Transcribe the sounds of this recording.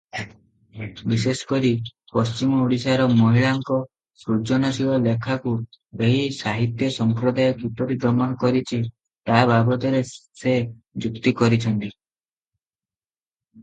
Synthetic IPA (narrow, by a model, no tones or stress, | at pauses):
bisesɔ̥kɔɾi | pɔst͡ʃimɔuɽisaɾɔmɔɦiɭaŋkɔ | sɾud͡ʒɔnasiɔlekʰakueɦisaɦit̪jɔsɔmpɾɔd̪ajɔkipɔɾid̪ɔɾmɔnɔkɔɾit͡ʃʰi | t̪abʱabɔt̪ɔɾese | d͡ʒukt̪ikɔɾit͡ʃʰɔnt̪i